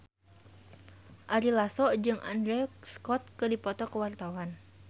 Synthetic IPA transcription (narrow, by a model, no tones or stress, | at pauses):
ʔaɾilasɔʔd͡ʒɨŋʔa̰ndɾɛskɔt̪̚kɨdipɔt̪ɔkəwart̪awan